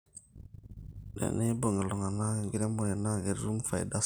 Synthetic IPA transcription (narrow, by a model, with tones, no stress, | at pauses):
nḛ˨ne˦bo˨ŋe˨lo˨ŋa˨na˦˨ɡi˦ɾe˦mo˨je˨na˦ɡe˨ɾɾu˦ŋ˦fa˨jda˦